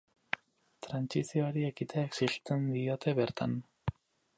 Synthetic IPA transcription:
t̪ɾant͡ʃisioaɾiekit̪ʰeːksiɬt̪end̪iot̪ʰeβeɾt̪ʰa̰n

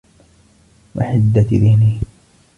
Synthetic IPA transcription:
wa̰ħɪd̪ːaðɪhniː

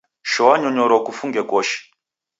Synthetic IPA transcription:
ʃɔwaɲɔɲɔɾɔkufuŋɡɛkɔːʃɛ̥

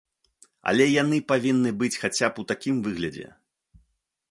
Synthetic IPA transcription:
ɐ̰lʲɛjanɨpavʲinːɨbɨt͡sʲxat͡sʲaput̪akʲimvɨɣlʲɐd͡zʲɛ̰

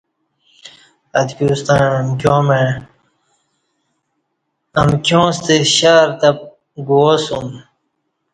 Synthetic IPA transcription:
ɐd̪kʲuːst̪ãmkʲjõːmẽ | ɐmkʲjõːst̪eɕaːɾt̪ɐp̚ | ɡuosum

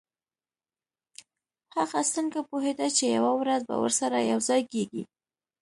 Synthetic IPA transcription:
haxast̪əŋkapoɦed̪at͡ʃejawawɾazba̰wə̰ɾsaɾajawzɑjkeɡḭ

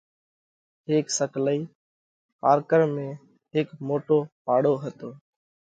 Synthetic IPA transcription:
ɦeːksəkləiː | paːɾkəɾmẽː | ɦɪːkmoːʈoːpaːɽoːɦət̪oː

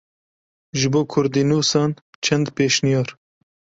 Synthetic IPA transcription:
ʒɨboːkʰʊɾd̪iːnuːsɑːn | t͡ʃʰɛnd̪peːʃnijɑːɾ

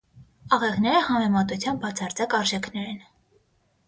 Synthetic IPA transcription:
ɑʁɛʁnɛɾəhɑmɛmɑt̪ut͡sʰjɑnbɑt͡sʰɑɾt͡sɑkɑɾʒɛkʰnɛɾɛn

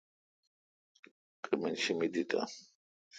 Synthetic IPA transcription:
kʼimɛnʃimid̪it̪ʼa̰

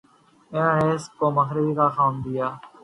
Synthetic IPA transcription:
eãːɦeːskoːməxɾɪʋiːkaːxaːmd̪ɪjaː

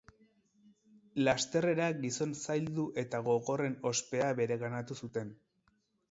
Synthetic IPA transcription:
last̪e̞re̞ɾaɡiso̞nsajld̪uʔe̞t̪aɣo̞ɣo̞re̞no̞spe̞aβe̞ɾe̞ɣanat̪usut̪e̞n

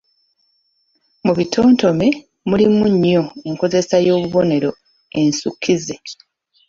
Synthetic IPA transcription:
muβitʰoːnto̞me̞ | mulimuɲːo̞eŋko̞ze̞sajo̞ːβuβo̞ne̞ɾo̞ | e̞nsukʰːize̞

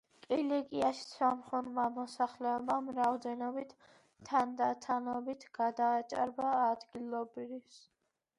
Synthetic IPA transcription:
kʼilɛɡiaʃsamχɔnmamɔsaχlɛɔbamɾaɔd̪ɛnɔbit̪ʰ | t̪ʰːand̪at̪ʰanɔbit̪ʰɡ̥ad̪aːt͡ʃʼa̰ɾbaːd̪ɡilˠɔbɾɾifs

